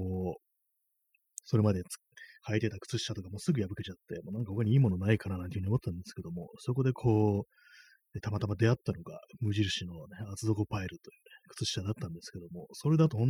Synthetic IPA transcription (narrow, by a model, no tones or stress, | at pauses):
oː | so̞ɾe̞mad̪e̞̥ | kʰait̪e̞t̪akɯ̟̥t͡sɨɕi̥ɕat̪okamo̞ːsɨɡɯ̟jabɯ̟ket͡ɕat̪ːe̞mo̞ːnãŋkahokaɲ̟iiːmo̞no̞naikananãnt̪ehɯ̟io̞mo̞t̪ːet̪ãnd̪e̞sɨ̥ke̞d̪omo̞̰so̞kod̪e̞kʰo̞ː | net̪amat̪amad̪e̞at̪ːano̞ɡa̰mɯ̟ʑiɾɯ̟ɕino̞neat͡sɨzo̞kopaiɾɯ̟t̪ojɯ̟nekɯ̟̥t͡sɨɕi̥ɕad̪at̪ːãnd̪e̞sɨ̥ke̞d̪o̞mo̞soɾe̞d̪at̪ohõn